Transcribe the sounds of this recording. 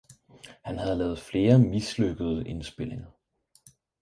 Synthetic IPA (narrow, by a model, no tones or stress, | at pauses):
hænɦæð̞̩ˠlɛːð̞̩ˠfle̝ːɐmisløɡ̥əð̞ˠəʔe̝nsb̥e̝l̰e̝ŋɐ